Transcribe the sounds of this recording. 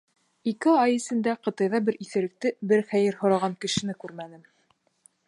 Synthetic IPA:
ikɘɑjɘ̆sɘ̆nd̪æqɤ̆t̪ɑjðɑbɘɾʔiθɘ̆ɾɘ̆k̚t̪ɘbɘɾχæjɘɾhŏɾɑʁɑŋkɘ̆ʃɘ̆nɘkʉɾmænɘm

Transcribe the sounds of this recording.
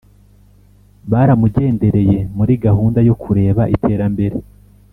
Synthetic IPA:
βaːɾamuɟe̞ːnde̞ɾe̞je̞muɾiɡaɦuːndajo̞kʰuɾe̞ːβaʔḭtʰe̞ːɾambe̞ɾe̞

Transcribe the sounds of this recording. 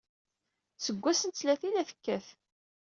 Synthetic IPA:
səɡʷːæsənt͡sːlæθilæθə̥kːæθ

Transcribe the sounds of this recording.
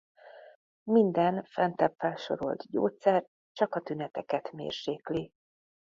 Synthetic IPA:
mind̪ɛnfɛnt̪ɛpfɛlʃo̞̰ɾo̞̰lt̪ɟo̰ːt̪sɛr | t͡ʃɒkɒt̪ynɛt̪ɛkɛt̪mḛːrʃeːkli

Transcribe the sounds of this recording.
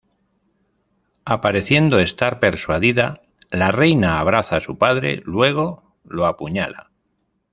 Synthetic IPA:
apaɾe̞θje̞nd̪o̞e̞st̪aɾpe̞ɾswaðiða | lare̞jnaːβ̞ɾaθasupaðɾe̞̰lwe̞ɣ̞o̞ | loapuɲala̰

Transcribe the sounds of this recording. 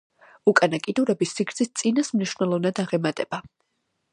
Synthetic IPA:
ukʼanakʼid̪uɾɛbisːikʰɾt̪sʰist̪sʼinasmniʃvnɛlˠɔvnad̪aʁɛmat̪ʼɛb̥a

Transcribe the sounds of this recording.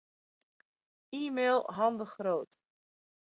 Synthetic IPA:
iːmeːlˠɦɑndəχroːt

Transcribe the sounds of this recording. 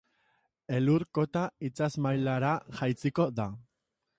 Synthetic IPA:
e̞luɾko̞t̪ait͡sazmajlaɾaʝajt͡siko̞ða

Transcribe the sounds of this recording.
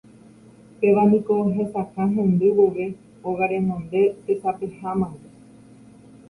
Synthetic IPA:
peʋãnĩko̞ɦe̞sakãɦẽnd̪ɨweʋe | oɣaɾẽnõnd̪e̞t̪esapehãmãwe

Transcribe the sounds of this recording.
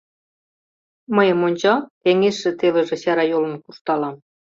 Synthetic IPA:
məjə̆monʲt͡ɕɑt̪eŋeʃːĕt̪elə̆ʒĕɕæɾɑjolə̆nkurt̪ɑlɑm

